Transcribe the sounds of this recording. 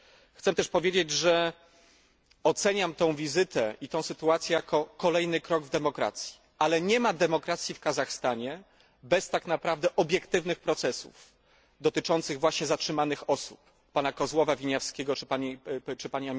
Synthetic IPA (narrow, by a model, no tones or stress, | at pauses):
xt̪sɛt̪ɛʂpɔvʲjed͡ʑed͡ʑʐɛ | ɔt̪sɛɲamt̪ɔ̃w̃vʲizɘt̪ɛʔit̪ɔ̃w̃sɘt̪uat̪sʲjɛjakɔkɔlɛjnɘkɾɔɡvd̪ɛmɔkɾa̰t̪sʲji̥ | alɛɲɛmad̪ɛmɔkɾat̪sʲjifkazaxst̪aɲɛ | bɛst̪akn̪apɾavd̪ɛʔɔbʲjɛkt̪ɘvnɘxpɾɔt̪sɛsṵf | d̪ɔt̪ɘt͡ʂɔnt̪sɘɣvwaɕɲɛzatʂɘmanɘxɔsupː | anakɔzwɔvavʲiɲafskʲeɡɔt͡ʂɘpaɲit͡ʂɘpaɲiamʲ